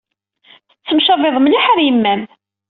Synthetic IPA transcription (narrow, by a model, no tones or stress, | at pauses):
θət͡sːəmʃɑveðˤmliħaɾjəmːæm